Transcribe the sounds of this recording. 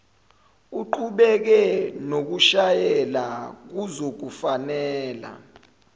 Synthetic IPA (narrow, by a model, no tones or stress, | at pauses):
uǃuɓɛk̬ɛnok̬uʃajɛlak̬uzok̬ufanɛːla̰